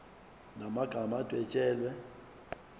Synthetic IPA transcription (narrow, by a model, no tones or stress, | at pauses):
namaɡ̥ʱamad̥ʱwɛt͡ʃʼɛːlwɛ